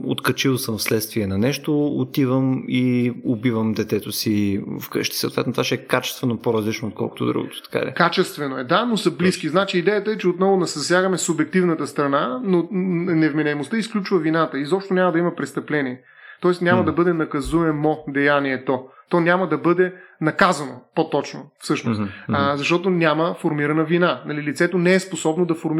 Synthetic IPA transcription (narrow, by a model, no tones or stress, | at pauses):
o̰t̪kɐt͡ʃilˠsəmfslɛt̪st̪viɛnɐnɛʃt̪oot̪ivəmiobivəmd̪ɛt̪ɛt̪osifkɤ̰ʃt̪i̥sə̰o̰ːt̪vɛt̪not̪vaʃɛɛkat͡ʃɛ̥st̪vɛnopoɾɐzlit͡ʃnoːt̪̚kʰɔ̰lˠko̥t̪o̰d̪ɾṵɡo̰t̪o̥t̪ɐ̥ka̰ɾʲɛ̰kat͡ʃɛst̪vɛnoɛd̪anosɐbliskiznat͡ʃiːd̪ɛjət̪əɛt͡ʃɛot̪nɔvʊnɐszɐsjaɡɐmɛsʊbjɛk̚t̪ivnət̪əst̪ɾɐnanonɛvminɛɛmost̪əisklʲut͡ʃvɐvinat̪əizɔpʃt̪onʲamɐd̪ɐimɐpɾɛst̪ɐplɛniɛ | t̪ɔɛsnʲaməd̪ɐbɤd̪ɛnɐkɐzuɛmod̪ɛjaniɛt̪ɔt̪ɔnʲaməd̪ɐbɤd̪ɛnɐkazɐnopot̪ɔt͡ʃno̰fsɤʃnoszɐʃt̪ɔt̪onʲaməfoɾmiɾɐnəvinanɐlilit̪sɛt̪onɛɛsposɔbnod̪ɐfoɾm